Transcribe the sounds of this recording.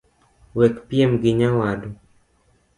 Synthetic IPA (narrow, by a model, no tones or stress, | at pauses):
wɛkpijemɡiɲawado